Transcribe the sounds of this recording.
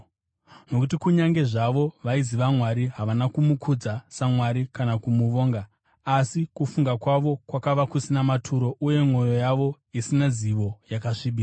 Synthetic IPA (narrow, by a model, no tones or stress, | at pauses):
no̞kutikuɲaŋɡe̞ʐaʋo̞ʋaiziʋamwaɾiɦaʋanakumukʰud͡zasamwaɾikanakumuʋo̞ːŋɡaː | sikufuŋɡakwaʋo̞kwakaʋakusinamatʰuɾo̞ʔuje̞mwo̞jo̞jaʋo̞ | isinaziʋo̞jakaʂiɓiːsa